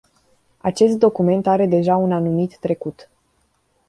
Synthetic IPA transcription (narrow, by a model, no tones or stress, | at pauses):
at͡ʃe̞st̪̚d̪o̞kume̞nt̪aɾe̞d̪e̞ʒaunanumit̪ːɾe̞kut̪